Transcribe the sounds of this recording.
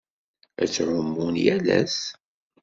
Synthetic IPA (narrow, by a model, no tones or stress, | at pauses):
æ̰t͡sːʕʊmːunjælæ̰s